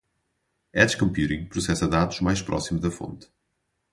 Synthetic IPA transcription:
ɛdʃkɐ̃mpjuɾĩŋpɾusɛsɐðaðuʒmajʃpɾʔɔ̰simuʒðɐfõ̰nt̪

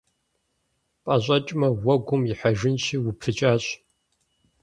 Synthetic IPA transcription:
pʼɐɕʼɐt͡ʃʼmɐwɐɡʷʊmjɪħaʒɪnʃiːwʊpʰɨt͡ʃʼaːɕʼ

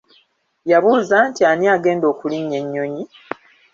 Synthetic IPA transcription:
jaβuːzaːntianiaɡe̞ːndo̞ːkuliɲːe̞ɲːo̞ɲi

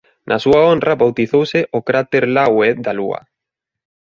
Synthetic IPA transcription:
nʔasuaonrraβawt̪iθowsɪʔokɾat̪eɾlawed̪alua̰

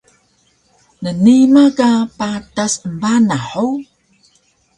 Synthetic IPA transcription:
nənimakapatasəmbanaħu

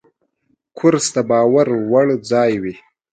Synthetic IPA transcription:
kʰʊɾst̪abɑːwaɾwaɽd͡zɑːjwi

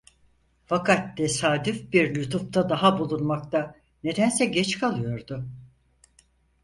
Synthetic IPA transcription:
fakat̪ːʰesaːd̪yfbiɾlʲut̪ʰup̚t̪ʰad̪aɦabulˠunmakt̪a | ne̞d̪ænsɛɟɛt͡ʃkʰalˠɯjo̞ɾd̪ʊ

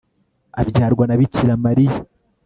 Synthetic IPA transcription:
a̰bɟaːɾɡwanaβiciɾamaɾija

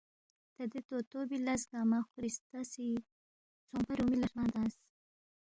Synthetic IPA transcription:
t̪ad̪et̪ot̪obilasɡɑmaxɾist̪asi | t͡sompaɾumilaʂmɑnd̪ɑːs

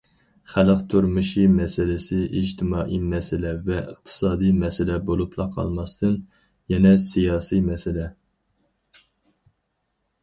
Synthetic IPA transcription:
χælqt̪ʰuɾmuʃimɛsɪlɪsɪʔid͡ʒt̪ʰɪmɑːʔimɛsɪlɛvɛəχt̪ʰɨ̥sɑːd̪ijmɛsɪlɛbolˠupʰlˠɑqʰɑ̰lˠmɑst̪ʰɨn | jɛnɛsijɑːsimɛsɪlɛ

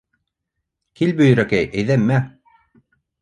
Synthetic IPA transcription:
kilbɵ̆jɵ̆ɾækæjʔæjðæmːæ

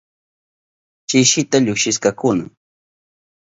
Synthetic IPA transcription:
t͡ʃɪʃɪt̪aʎʊkʃɪskakʊnaŋ

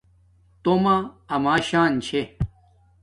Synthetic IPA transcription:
t̪omaɐmaːɕaːnt͡ɕʰe

